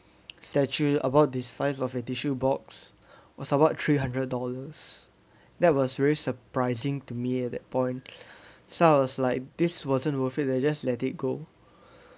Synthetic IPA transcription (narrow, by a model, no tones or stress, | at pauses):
stɛt͡ʃuə̰baʊt̚disaɪsɔfɛtiʃubɔks | wɔsəbaʊttʰːɹiɦãndɹəd̚dɔləs | dɛt̚wɔsvɛɹisəpɹaɪzɪ̃ŋtumiɛt̚dɛt̚pʰɔ̃ɪ̃n | soaɪwɔslaɪk̚diswɔzə̃nwəfit̚dɛd͡ʒaslɛtit̚ɡo